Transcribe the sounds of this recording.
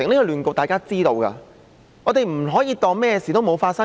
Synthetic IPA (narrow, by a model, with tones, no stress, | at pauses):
ɪ˨˩ŋn˥kɔ˧lyː˨nko˨˧t̪aː˨jkaː˥t͡siː˥t̪o˧wka̰˧ | ŋɔː˨˧t̪e˨jm̩˨˩ɦɔː˨˥jiː˧t̪ɔː˧ŋmɛː˥ɛ˧siː˨t̪o˥wmo˨˧wfaː˧tsɐ˥